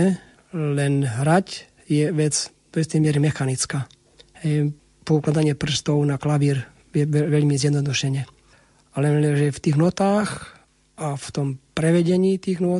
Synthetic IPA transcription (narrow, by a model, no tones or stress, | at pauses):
ɛ | lɛnɦɾac | jɛʋɛd͡zd̪ɔist̪ɛjmɪɛɾimɛxanit͡skaː | hɛj | pɔuklad̪aɲɪɛpr̩st̪ɔʊnaklaʋiːɾ | ɛɛʋɛʎmizjɛd̪nɔd̪uʃɛɲɛ | alɛɛʒɛft̪iːɣnɔt̪aːx | aft̪ɔmpɾɛʋɛɟɛɲiːt̪iːɣnɔ